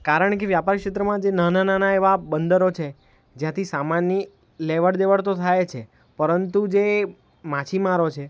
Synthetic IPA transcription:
kaɾəɳkeʋjapaɾkʂet̪ɾəmãd͡ʒenənananaeʋabənd̪əɾot͡ʃʰe | d͡ʒjãt̪ʰisamanːi | leʋəɽd̪eʋəɭt̪ot̪ʰajet͡ʃʰe | pəɾənt̪ud͡ʒe | mat͡ʃʰimaɾot͡ʃʰe

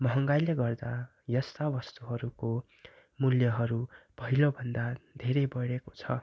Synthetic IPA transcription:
mʌɦʌŋɡajleɡʌrd̪a | jʌst̪abʌst̪uɦʌɾuko | muljʌɦʌɾubʌɦilobʱʌnd̪ad̪ʱeɾʌjbʌɽeko̥t͡sʰʌ

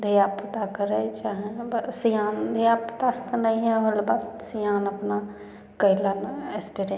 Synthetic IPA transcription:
d̪ʱijapːət̪akəɾət͡ʃaɦĩbsijaːnd̪ʱiapːət̪ast̪nəĩɦɛ̃ɦəlbadsijaːnəpna | kəɪlanespiɾe

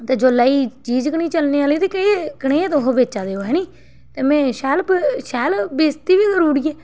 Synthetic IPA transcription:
t̪eːd͡ʒolaːiːt͡ʃiːd͡ʒkəɳ̃iːt͡ʃəlneːaːliːt̪eːkəikəɽeːet̪oɦobeːt͡ʃaːd̪eːoːɦɛːniː | t̪eːmɛ̃ːʃɛːlʃɛːlbeːst̪iːʋiːzəɾuːɾiːɛː

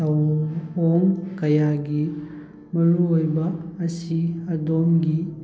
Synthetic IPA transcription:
ɐwoŋkɐjaɡi | mɐɾuojbɐːsiɐdomɡi

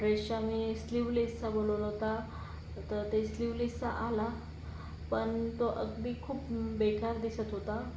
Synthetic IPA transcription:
ɾeɕamiːsliʋlesabololɦot̪a | t̪əɾt̪esliʋlisaʔala | pəɳt̪oʔəɡd̪iːkʰuːpbekaɾd̪isət̪ɦot̪a

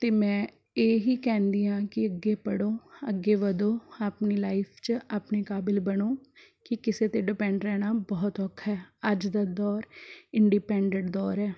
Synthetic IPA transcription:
t̪eːmɛ̃ː | eːɦiːkɛ̃ːnd̪iːãːkɪəɡːeːpəɽoːə̰ɡːeːʋəd̪oːaːpniːlaːɪpʰt͡ʃaːpneːkaːbɪlbənoːkɪkɪseːt̪eːɖɪpɛ̃ːɳɖɾɛːnaːbɔːt̪ɔːkʰːɛːəd͡ʒd̪aːd̪ɔːɾɪɳɖiːpɛ̃ːɳɖə̃ɳʈd̪ɔːɾɛː

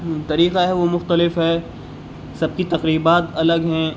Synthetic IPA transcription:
t̪ɐɾiːqaɦɛʋomʊxt̪əlɪfɦɛː | sɐb̚kit̪ɐqɾiːbaːt̪ɐləɡɦɛ̃

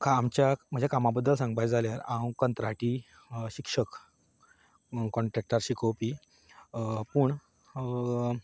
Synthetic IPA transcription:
kʰaːmt͡ɕjam̤əd͡ʑʱjakamabəd̪ːəlsãŋɡbajd͡zʱaljaɾãwkənt̪ɾaʈi | ɕikʂək | kɔɳʈɾɛk̚ʈəɾɕikowpiː | puɳ

